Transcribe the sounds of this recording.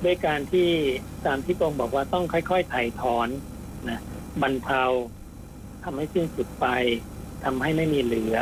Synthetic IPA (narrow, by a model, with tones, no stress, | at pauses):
bɯ˥˧˥jkaː˧nt̪ʰiː˥˩t̪aː˧mt̪ʰiː˥˩p̪o˧ŋbɔː˨˩k̚waː˧t̪ɔ˥˩ŋkʰɔ˥˩jkʰɔ˥˩jt̪ʰa˨˩jt̪ʰɔː˨˦n | na˧˥ba˧nt̪ʰa˧w | t̪ʰa˧mha˥˩jsi˥˩nsu˨˩t̪̚pa˧jt̪ʰa˧mɦa˥˩jma˥˩jmiː˧lɯ˨˩˦ɐ